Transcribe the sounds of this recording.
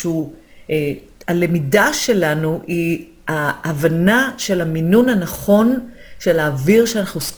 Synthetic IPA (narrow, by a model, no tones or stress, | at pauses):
u | alemidaʃe̞lanui | aʔːvanaʃe̞lhaminunhanaχo̞nʃe̞laːviʁʃeanaχnus